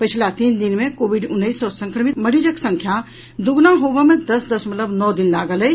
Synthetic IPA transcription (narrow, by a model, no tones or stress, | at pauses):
pɪt͡ʃʰlat̪iːnd̪ɪnmẽkoːʋɪɖʊnːəiːsɔːɾsɐ̃ŋkɾəmɪt̪mɐɽid͡ʒəksɐ̃ŋkʰja | d̪ʊɡnaɦoːbamẽd̪ɐsd̪ɐsmɐt̪ləbnɔːd̪ɪnlaːɡələ